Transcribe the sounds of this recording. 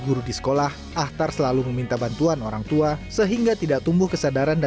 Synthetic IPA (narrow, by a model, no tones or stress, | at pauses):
ɡuɾudisə̥kolah | ʔaht̪arsəlaluməmint̪abant̪uanoɾaŋt̪uasəɦiŋɡat̪idaʔ̚t̪umbʊhkəsadaɾanda